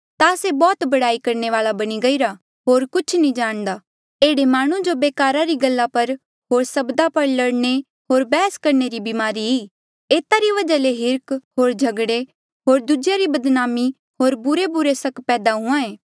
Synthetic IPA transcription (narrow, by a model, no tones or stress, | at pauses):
t̪aɐsebɔːt̪bɐɽaːikɐɾneʋaːlabɐɽ̃iɡɐiɾa | ɦoːɾkʊt͡ʃʰnĩd͡ʒaːɽ̃d̪aː | eːɽemaːɽ̃ũd͡ʒobeːkaːɾaɾiɡɐlːapɐɾ | ɦoːɾsɐbd̪apɐɾlɐɽne | ɦoːɾbɛːskɐɾneɾibɪmaːɾiɦiː | eːt̪aɾiʋɐd͡ʒaleɦɪɾkɦoːɾd͡ʒʱɐɡɽe | ɦoːɾd̪ʊd͡ʒjaɾibɐd̪naːmi | ɦoːɾbʊɾebʊɾesɐkpɛːd̪aɦʊ̃ãẽː